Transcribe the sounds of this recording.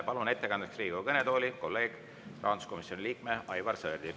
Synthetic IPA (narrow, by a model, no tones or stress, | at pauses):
pɑlunet̪ːe̞kɑnd̪eksriːɡ̥uvɑkɤnet̪o̞ːlʲiko̞lːe̞ːɡ̥ | rʔɑ̰ːd̪u̥sko̞misjo̞nʲiliːk̚meʔɑjvɑrseːrd̪̥i